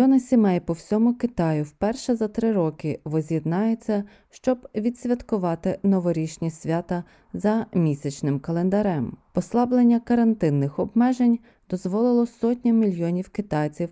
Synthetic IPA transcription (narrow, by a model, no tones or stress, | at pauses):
ɔnɐsʲimɛjpɔwsʲɔmʊkɪt̪ɑjʊwpɛrʃɛzɐt̪ɾɪɾɔkɪʋɔzʲjid̪nɑjet͡sʲːɐ | ʃt͡ʃɔbʋʲid̪sʲʋʲɐt̪kʊʋɑt̪ɪnɔʋɔɾʲiʃnʲisʲʋʲat̪ɐ | zɐmʲisʲɐt͡ʃnɪmkɐlˠend̪ɐɾɛmpɔslˠɑblˠenʲːɐkɐɾɐnt̪ɪnːɪxɔbmɛʒenʲ | d̪ɔzʋɔlˠɪlˠɔsɔtʲnʲɐmʲilʲjɔnʲiwkɪt̪ɑjt͡sʲiw